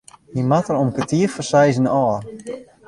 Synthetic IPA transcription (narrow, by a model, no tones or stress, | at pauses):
himatəɾomkətiəfərsɛjzənɔːr